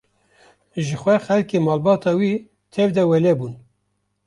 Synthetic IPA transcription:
ʒɨxʷɛxɛlkeːmɑːlbɑːt̪ʰɑːwiː | t̪ʰɛvd̪ɛwɛlɛbuːn

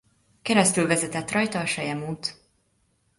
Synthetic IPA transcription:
kɛɾɛst̪ylvɛzɛt̪ɛt̪ːrɒjt̪ɒːʃɛjɛmuːt̪

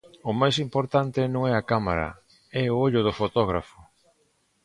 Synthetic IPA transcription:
ʊmajs̬impoɾt̪ant̪ɪnõŋɛakama̰ɾɐ̰ | ɛʊoʎʊð̞ʊfot̪ɔɣ̞ɾafʊ̥

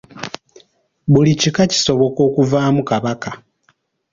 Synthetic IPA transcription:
βulicikaci̥so̞βo̞ko̞ːkuvaːmukaβaka

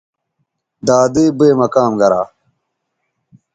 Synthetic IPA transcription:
d̪aːd̪eːbeːmɐkaːmɡɐɾa̰ː

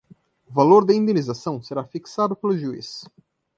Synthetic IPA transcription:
ʊvaloɾd̪ɐĩnd̪enizasɐ̃w̃seɾafiksad̪ʊpelʊʒuḭs

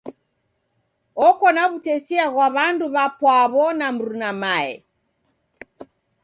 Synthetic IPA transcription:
ɔkɔnaβutɛsiaɣwaβanduβapwaβɔnam̩ɾunamaɛ̰

